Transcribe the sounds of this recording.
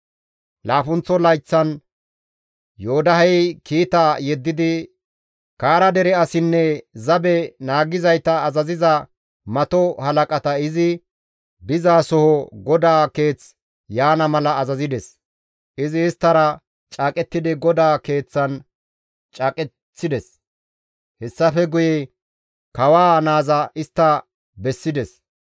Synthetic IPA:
laːfʊnt͡sːɔlɐjt͡sːɐn | joːd̪ɐɦɛjkiːt̪ajɛd̪ːɪd̪ɪ | kaːɾɐd̪ɛɾɛɐsɪnːɛzɐbɛnaːɡɪzɐjt̪ɐːzɐzɪzɐ | mɐt̪ɔhɐlɐkʼɐt̪ɐɪzɪ | bɪzaːsɔhɔɡɔd̪aːke̞ːt͡s | jaːnɐmɐlɐːzɐzɪd̪ɛs | ʔɪzɪːst̪ːɐɾɐ | t͡ʃʼaːkʼɛt̪ːɪd̪ɪɡɔd̪aːke̞ːt͡sːɐn | t͡ʃʼɐkʼɛː | ɪd̪ɛs | hɛsːɐfɛɡʊjɛ | kɐwaːnaːzɐʔɪst̪ːɐ | bɛsːɪd̪ɛs

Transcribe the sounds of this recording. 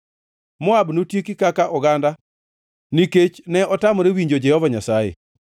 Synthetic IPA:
mɔabnotjekikakaʔɔɡanda | niket͡ʃnɛɔtamɔɾewiɲd͡ʒod͡ʒɛhɔvaɲasajḛ

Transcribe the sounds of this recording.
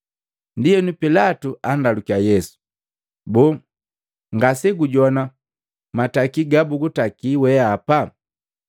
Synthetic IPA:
ndijɛnupilatuʔandalukiajɛsu̥ | bɔ | ŋɡasɛɡuɟɔna | matakiɡabuɡutakiwɛapa

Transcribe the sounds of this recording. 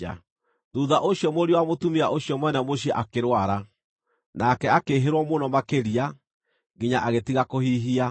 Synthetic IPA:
a̰ | ðuːðaʔoɕjɔmoɾiwamotumiaʔoɕijɔmwɛnamoɕiɛʔakeɾwaɾa | nakɛakeɦeɾwɔmonɔmakeɾia | ɡiɲaʔaɣetiɣakohiːɦia

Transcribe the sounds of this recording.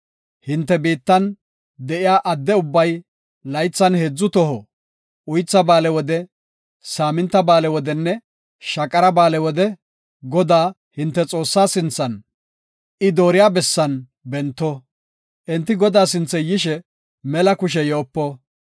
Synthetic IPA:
hɪnt̪ːɛbiːt̪ːɐn | d̪ɛʔɪjaːʔɐd̪ːɛʊbːɐj | lɐjt͡sːɐnhed͡zːʊt̪ɔɦɔ | ʔʊjt͡sːɐbaːlɛwɔd̪ɛ | saːmɪnt̪ːɐbaːlɛwɔd̪ɛnːɛ | ʃɐkʼːɐɾɐbaːlɛwɔd̪ɛ | ɡɔd̪aː | hɪnt̪ːɛt͡sʼo̞ːsːaːsɪnt͡sːɐn | ɪd̪o̞ːɾɪjaːbɛsːɐn | bɛnt̪ːɔ | ʔɛnt̪ːɪɡɔd̪aːsɪnt͡sːɛjɪʃɛ | mɛlɐkʊʃ̬ɛjoːpːɔ

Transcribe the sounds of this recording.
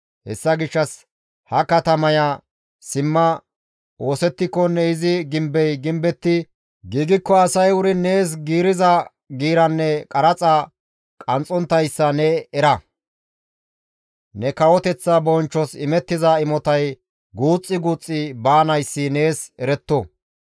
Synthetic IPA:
hɛ̰sːɐɡɪʃːɐs | hɐkɐt̪ɐmɐjɐ | sɪmːɐ | o̞ːsɛt̪ːɪkːɔnːɛɪzɪɡɪmbɛjɡɪmbɛt̪ːɪ | ɡiːɡɪkːɔɐsɐjʊɾɪne̞ːs̬ɡiːɾɪzɐ | ɡiːɾɐnːɛkʼɐɾɐt͡sʼɐ | kʼɐnt͡sʼːɔnt̪ːɐjsːɐnɛɛɾɐ | nɛkɐwɔt̪ɛt͡sːɐbɔnt͡ʃːɔsɪmɛt̪ːɪzɐɪmɔt̪ɐj | ɡuːt͡sʼːɪɡuːt͡sʼːɪbaːnɐjsːɪne̞ːsɛɾɛt̪ːɔ

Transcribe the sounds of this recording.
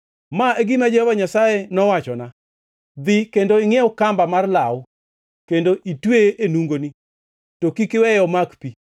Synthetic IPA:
maeɡimad͡ʒeaɲasajɛnɔwat͡ʃɔna | d̪ikendoɪŋɛʊkambamarlaʊ | kendoʔitweʔenuŋɡoni | tokikɪwɛjɔmakpi

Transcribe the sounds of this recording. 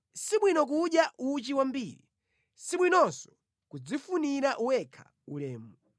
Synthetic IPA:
siɓwinɔk̬uɗjaʔut͡ʃiwambiːɾḭ | siɓwinɔnsɔ̥ | kud͡zifuniɾaʔuwɛkʰḁ | ulɛːmɔ

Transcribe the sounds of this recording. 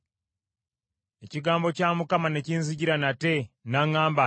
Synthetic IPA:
e̞ciɡaːmbo̞caːmukamane̞ciːnziɟiɾanatenaŋaːmba

